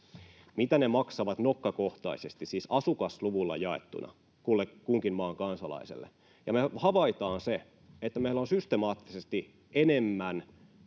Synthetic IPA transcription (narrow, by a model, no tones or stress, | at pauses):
mit̪ænemɑksɑʋɑt̪nokːɑkoht̪ɑ̰isest̪issiːsɑsukɑsluʋulːɑ̰jɑḛt̪ːṵnʔɑ̰ | kulːekuŋkinmɑːŋkɑnsɑlɑ̰isḛlːḛ | jɑmehɑʋɑit̪ɑːnse | et̪ːæmeilæonsyst̪emɑːt̪ːisest̪i | ʔenemːæn